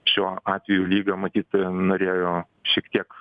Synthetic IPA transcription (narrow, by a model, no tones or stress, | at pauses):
ʃʲuːɑːt̪ʲʋʲɪjuːlʲiːɡɐmɐt̪ʲiːt̪noːɾʲeːjoː | ʃʲiɛkt̪ʲiɛk